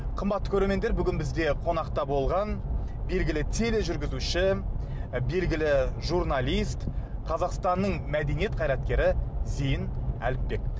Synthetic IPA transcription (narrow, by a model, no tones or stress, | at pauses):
qʰəmbɑt̪ːəkʰʲɵɾe̞ɾme̞nd̪eɾbʏɡʲɪnbɪzd̪e̞qʰo̞nɑqt̪ɑbo̞lˠʁɑnbe̞lɡʲɪlɪt̪ʰe̞le̞ʒʏɾɡʲɪzuʃɪ | be̞lɡʲɪlɪʒuɾnɑlˠijst̪qʰɑzɑqst̪ɑnːəɴmæd̪e̞nije̞t̪̚qʰɑjɾɑt̪̚kʲe̞ɾɪzejɪnæ̰lɪppe̞k̚